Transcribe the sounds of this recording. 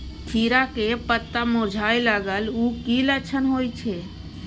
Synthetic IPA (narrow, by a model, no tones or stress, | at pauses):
t̪ʰiɾakepət̪ːamõd͡ʒʱajlaɡəlukilət͡ʃʰənɦoːjt͡ʃʰe